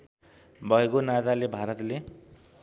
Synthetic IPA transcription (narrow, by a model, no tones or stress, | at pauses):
bʱʌekonad͡zalebʱaɾʌt̪le